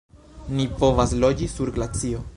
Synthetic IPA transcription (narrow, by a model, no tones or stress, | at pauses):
nipo̞vaslo̞d͡ʒisuɾɡlat͡sio̞